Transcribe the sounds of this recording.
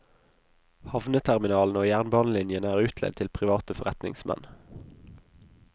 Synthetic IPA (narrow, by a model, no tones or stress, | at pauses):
hɑʋnət̪ʰæʁmɪnɑːln̩oːjæːʁnbɑːnəlɪnjənəæːʁʉːt̪ʰlɛ̰d̪̚t̪ʰɪlpʰʁɪʋɑːt̪əfɔʁɛt̪nɪ̰ŋsmɛ̰n